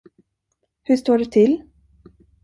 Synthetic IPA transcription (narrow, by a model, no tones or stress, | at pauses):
hɵʂt̪oːɖɛt̪ʰɪlː